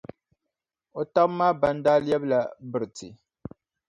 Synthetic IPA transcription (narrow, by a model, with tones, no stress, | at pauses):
o˨ta˦bmaː˦ba˦ndaː˦li˦ɛ˦bla˨bɨ˨ɾɨ˨tḭ˨